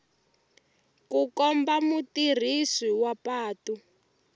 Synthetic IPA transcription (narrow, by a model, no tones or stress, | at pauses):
kukɔmbamutir̤iswiwapaːtu